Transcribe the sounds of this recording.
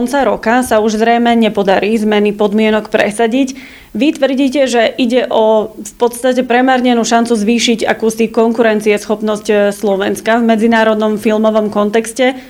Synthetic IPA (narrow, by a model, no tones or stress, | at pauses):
ɔnt͡saɾɔkasauʒzɾɛjmɛɲɛpɔd̪aɾiːzmɛnipɔd̪mɪɛnɔkpɾɛ̰saɟic | ʋit̪ʋr̩ɟiːcɛʒɛʔiɟɛʔɔfpɔt̪st̪acɛpɾɛmaɾɲɛnuːʃant͡suzʋiːʃiɟa̰kuːsikɔŋkuɾɛnt̪t͡siɛsxɔpnɔscslɔʋɛnskavmɛd͡zinaːɾɔd̪nɔmfilmɔʋɔmkɔnt̪ɛkscɛ